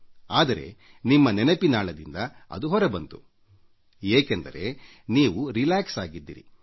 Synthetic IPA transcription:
aːd̪ɐɾe̞̰ | nimːɐnɛnɐpinaːɭɐd̪ind̪ɐɐ̰d̪uɦɔɾɐbɐnt̪u | eːkend̪ɐ̰ɾe̞ | niːʋuɾilaːksaːɡid̪ːḭɾḭ

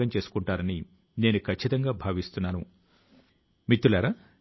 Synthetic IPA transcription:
ɐɲt͡ʃe̞ːsu̥kuɳʈaːɾɐni | ne̞ːnukʰɐt͡ʃʰːit̪ɐŋɡaːbʱaːʋist̪unːaːnṵ | mit̪ːulaːɾa

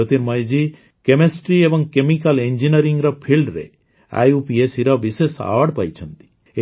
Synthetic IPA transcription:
ɔt̪iɾmɔjd͡ʒi | kemesʈɾiebɔŋkemikalend͡ʒinɔɾiŋɡɾɔpʰilɖɾḛ | a̰jupiesiɾɔbisesa̰ʋaɽpajt͡ʃʰɔnt̪i̥ | e

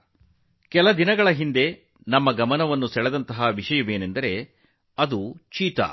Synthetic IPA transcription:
kɛlɐd̪inɐɡɐɭɐɦind̪e̞ | nɐmːɐɡɐmɐnɐʋɐnːusɛɭɛd̪ɐnt̪ɐɦɐʋiʂɐjɐʋe̞ːnend̪ɐɾe̞ | ɐd̪ut͡ʃiːt̪ɐ̰

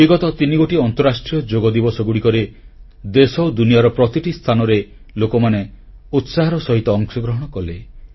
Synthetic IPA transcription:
biɡɔt̪ɔt̪iniɡoʈiɔnt̪ɔɾasʈɾijɔd͡ʒoɡɔd̪ibɔsɔɡuɽikɔɾe | d̪esɔwd̪unijaɾɔpɾɔt̪iʈist̪ʰanɔɾe | lokɔmane | ut̪saɦɔɾɔsɔɦit̪ɔːŋsɔɡɾɔɦɔɽ̃ɔkɔle

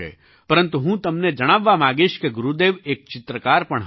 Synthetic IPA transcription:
ɛ̰ː | pɐɾə̃nt̪uɦũːt̪ɐmned͡ʒɐɽ̃aːʋːamaːɡɪʃkeɡʊɾud̪eːʋeːk̚t͡ʃɪt̪ɾəkaːɾpɐɳ̃ɦ

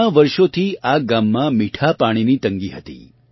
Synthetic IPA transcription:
aʋəɾʃot̪ʰiʔaɡamːãmiʈʰapaɽ̃init̪əŋɡiɦət̪ḭ

